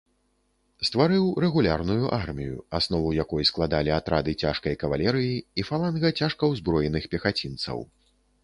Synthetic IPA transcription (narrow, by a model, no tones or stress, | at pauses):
st̪vaɾɨwrɛɣulʲarnujuʔarmʲijṵasnɔvujakɔjsklˠad̪alʲiat̪ɾad̪ɨt͡sʲaʂkɐjkɐvalʲɛɾɨjiifalˠanɣɐt͡sʲaʂkɐwzbɾɔjɛnɨxpʲɛxat͡sʲint̪sɐ̰w